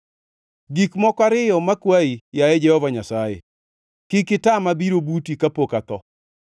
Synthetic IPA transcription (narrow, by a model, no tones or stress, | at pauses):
ɡikmɔkaɾɪjɔmakwaijajɛd͡ʒɛhɔvaɲasajḛ | kɪkɪtamabiɾobutikapokat̪ɔ